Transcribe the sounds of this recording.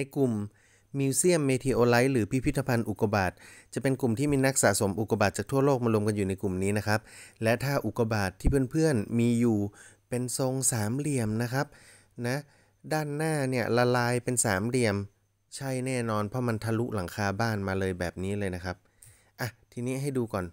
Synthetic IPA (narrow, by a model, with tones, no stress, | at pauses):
na˧jku˨˩mː | iː˧wsi˥˩əmːeː˧t̪ʰiː˧ʔoː˧la˦˥jlɯː˩˦pʰi˦˥pʰi˦˥t̪ʰːa˧pʰa˧nʔu˨˩kːa˧baː˨˩t̪̚t͡ɕa˨˩pe˧nku˨˩mt̪ʰiː˥˩miː˧na˦˥k̚sa̰˩˦so˩˦mʔu˨˩kːa˧baː˨˩t̪̚t͡ɕaː˨˩k̚t̪ʰu˥˩ɐloː˥˩k̚maː˧lu˧əmka˧njuː˨˩na˧jku˨˩mniː˦˥na˦˥kʰa˦˥p̚lɛ˦˥t̪ʰaː˥˩ʔu˨˩ka˧baː˨˩t̪ʰːiː˥˩pʰɯ˥˩ənpʰɯ˥˩ənmiː˧juː˨˩pe˧nso˧ŋsaː˩˦mli˨˩əmna˦˥kʰa˦˥p̚ | na˦˥ | daː˥˩nːaː˥˩ni˥˩əla˧laː˧jpe˧nsaː˩˦mli˧˩əm | t͡ɕʰa˥˩jnɛː˥˩nɔː˧npʰɔ˦˥ma˧nt̪ʰa˧lu˦˥la˨˩˦ŋkʰaː˧baː˥˩nmaː˧lɤː˧jbɛː˨˩p̚niː˦˥lɤː˧jna˦˥kʰa˦˥p̚ | ʔa˨˩t̪ʰiː˧niː˦˥ɦa˥˩jduː˧kɔː˨˩n